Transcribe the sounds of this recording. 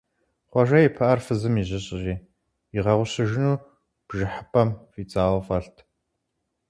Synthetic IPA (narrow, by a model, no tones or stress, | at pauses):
χʷɔʒɐjɪpʰɨʔɐrfɨzɨmiʑɪɕʼɪʑiː | iʁɐʁʷʊɕɨʒɪnuː | b̥ʒɪħəpʰʼɐmfit͡sʼaːwfɐɬtʰ